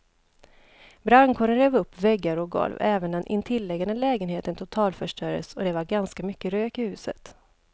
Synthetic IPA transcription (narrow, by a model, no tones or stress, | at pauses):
bɾankʰɔːɾəɾøːvɵpːvɛɡːaɾɔɡɔ̰lvɛːvənd̪ɛnʔɪ̰nt̪ʰɪlːɛɡanəlɛːɡənheːt̪ənt̪ʰʊt̪ʰɑːlfœʂʈœɾə̰sɔd̪ɛvaɾɡanskamʏkːəɾøːkɪhʉ̟ːsə̰t̪